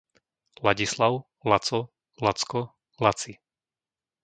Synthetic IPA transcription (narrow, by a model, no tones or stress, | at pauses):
laɟislaʊ | lat͡sɔ | lat͡skɔ | lat͡si